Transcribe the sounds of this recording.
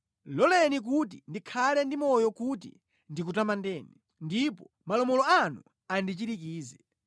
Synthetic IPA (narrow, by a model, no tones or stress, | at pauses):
lɔlɛnik̬ut̬indikʰalɛndimɔjɔkut̬ḭ | ndik̬utamandɛːnɛ | ndipɔ | malɔmɔlɔanu | andit͡ʃiɾikiːzɛ